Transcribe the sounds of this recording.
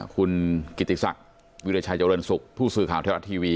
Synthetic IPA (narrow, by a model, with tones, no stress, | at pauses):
kʰu˧nki˨˩t̪ʰːi˨˩sa̰˨˩k̚ | wi˦˥ɾe˧˩t͡ɕʰaː˧jt͡ɕa˧ɾɤ˧nsu˨˩k̚pʰuː˥˩sɯː˨˩kʰaː˨˩˦wt̪ʰːwa̰˧˥t̪ʰiː˧wiː˧